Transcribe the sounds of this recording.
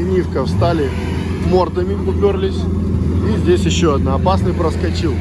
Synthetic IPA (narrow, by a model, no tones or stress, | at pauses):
nʲifkəfst̪alʲɪ | mo̞rt̪əmʲɪʊpʲorlʲɪsʲ | izʲdʲesʲjɪɕːoɐd̪naɐpasnəjpɾəskɐt͡ɕilˠ